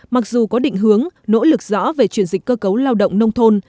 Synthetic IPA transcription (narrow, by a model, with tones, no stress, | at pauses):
ma˨˩k̚zu˨˩kɔ˨˦ɗḭ̈˧˨ŋ̟ɦɨ˨˦əŋno̰˧˥lɨ˨˩k̚z̥ɔ̰˧˥ve˨˩t͡ɕwi˧˩ənzï˨˩k̟̚kːəː˧kə˨˦wlaː˧wɗə̰˧˨wŋ͡mnə˧wŋ͡mt̪ʰo˧n